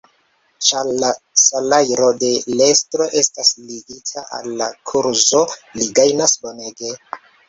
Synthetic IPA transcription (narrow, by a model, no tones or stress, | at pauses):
t͡ʃaasalajɾo̞de̞lestɾo̞ʔe̞stasliɡitʰaʔa̰lːakʰuɾzo̞liɡajnasbo̞neɡe̞